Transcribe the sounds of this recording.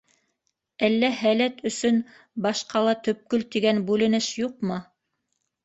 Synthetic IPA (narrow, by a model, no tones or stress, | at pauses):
ælːæhælæt̪ɵ̆sɵn | bɑʃqɑlˠɑt̪ɵ̆p̚kɵlt̪iɡænbʉlɘ̆nɘʃjuqmɤ